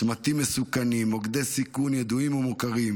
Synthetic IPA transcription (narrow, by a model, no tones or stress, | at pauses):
mat̪imːesukanimoɡd̪ejsikunjed̪uimumukaʁim